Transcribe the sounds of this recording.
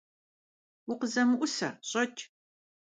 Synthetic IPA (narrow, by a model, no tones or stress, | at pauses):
wʊqəzɐmɨʔʷʊsɐɕʼɐtʰʼ